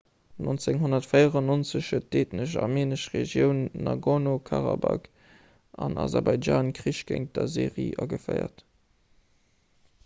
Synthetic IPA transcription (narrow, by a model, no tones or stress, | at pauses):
nont͡seŋɦonɐtfəjəʁɑnont͡səɕhət̚d̥eːtnəʃameːnəʃʁeʒjəʊnːɑɡonokʰɑʁɑbak | ʔɑnɑzɑʁbɑɪaːnkʁiʃɡ̥eŋ̚d̥ɐzeːʁḭːʔɑɡəfəɪɐ̰t